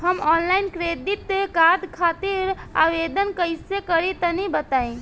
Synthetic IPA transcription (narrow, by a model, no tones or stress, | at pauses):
həmɔnlajnkɾed̪it̪ːkad̪kʰat̪iɾa̰ʋed̪ənkəjsekəɾit̪ənibət̪aĩ